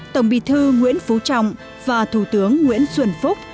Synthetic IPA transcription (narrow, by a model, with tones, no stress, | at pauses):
t̪ə˧˩wŋ͡mɓḭ˧˨t̪ʰɨ˧ŋwḭ˧˥ənfu˨˦t͡ɕa̰˧˨wŋ͡m | vaː˨˩t̪ʰu˧˩t̪ɨ˨˦əŋːwḭ˧˥ənswə˧˩nfʊ˦˥k͡p̚